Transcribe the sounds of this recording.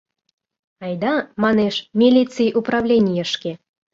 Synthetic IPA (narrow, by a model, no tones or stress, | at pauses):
ɑjd̪ɑmɑneʃmʲilʲit͡sɨjʔupɾɑvlʲenʲijəʃke